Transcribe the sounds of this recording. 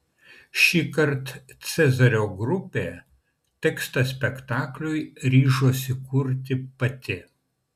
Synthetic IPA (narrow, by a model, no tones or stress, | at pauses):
ʃʲiːkɐɾt̪t̪sʲɛzɐɾʲoːɡɾʊpʲeː | t̪ʲɛkst̪ɐsʲpʲɛkt̪ɑːklʲʊjɾʲiːʒoːsʲɪkʊɾʲt̪ʲɪpɐt̪ʲɪ